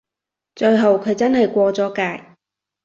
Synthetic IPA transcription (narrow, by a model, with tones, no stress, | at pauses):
t͡ʃɵ˧jɦɐ˨˧wkʰɵ˨˧ɥt͡sɐ˥nhɐ˨jkʷɔː˧t͡sɔː˨˥kaː˧j